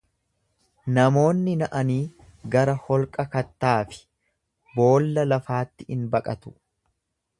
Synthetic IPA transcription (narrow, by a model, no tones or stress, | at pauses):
nɐmo̞ːnːɪnɐʔɐniː | ɡɐɾɐhɔlkʼɐkɐt̪ːaːfɪ̥ | bo̞ːlːɐlɐfaːt̪ːɪɪnbɐkʼɐt̪ʊ̥